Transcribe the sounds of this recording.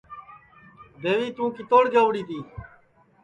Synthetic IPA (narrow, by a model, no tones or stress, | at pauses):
d̪eːʋiːt̪ũːkit̪oːɽɡaːʋɽiːt̪iː